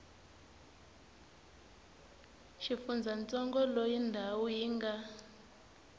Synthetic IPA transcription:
ʃifund͡zʱant͡sɔŋɡɔlojindʱawujiːŋɡa

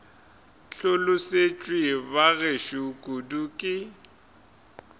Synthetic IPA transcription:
ɬʊlʊset͡ʃʼwibaɣeʃukʼudukʼɪ

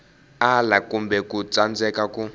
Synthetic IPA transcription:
alakumbɛkut͡sand͡zɛkaku

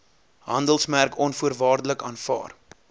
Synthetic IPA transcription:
ɦɐndəlˠsmærkɔnfuərvɑːrdələkɑːnfɑ̰ːr

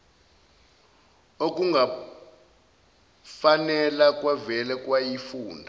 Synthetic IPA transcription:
ok̬ʼuŋɡʱa | fanɛlak̬ʼwavɛlɛk̬ʼwajifuːndʱa

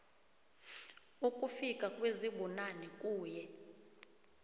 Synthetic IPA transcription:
ukʼufikʼakʼweziɓɔnanɛkʼuːjɛ

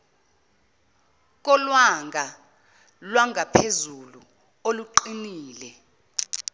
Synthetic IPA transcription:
k̬ʼɔlwaŋɡʱa | lwaŋʱapʰezulu | oluǃiniːlɛ

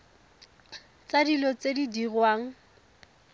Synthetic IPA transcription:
t͡sadilɔt͡sedidirwaːŋ̩

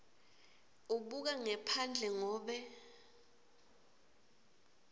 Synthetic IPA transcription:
uɓuk̬aŋɛpʰand͡ɮʱɛŋɔːɓɛ

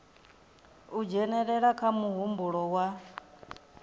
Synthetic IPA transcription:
ud͡ʒɛnɛɺɛɺakʰamuɦumbuɺɔwa

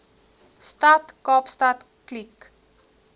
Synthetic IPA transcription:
statkɔpstat | klik

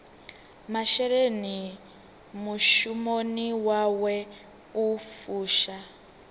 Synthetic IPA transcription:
maʃɛɾeni | muʃumoniwawɛ | ufuːʃa

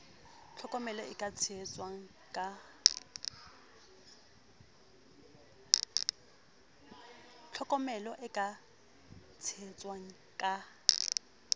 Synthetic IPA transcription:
t͡ɬʰɔkʼɔmɛlɔɪkʼat͡sʰt͡sʼwaŋ̩ | kʼa | t͡ɬʰɔkʼɔmɛlɔʔɪkʼa | t͡sʰɪɛt͡sʼwaŋ̩ | kʼa

